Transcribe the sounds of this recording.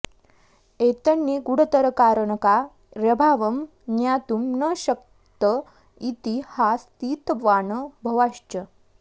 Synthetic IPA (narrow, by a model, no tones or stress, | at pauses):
et̪ənːiɡuɽət̪əɾəkaɾəɳka | ɾəbʱaʋəm | njat̪umnəɕək | t̪ə | it̪ihast̪iːt̪ʋaːɳəbʱɐʋaɕt͡ɕə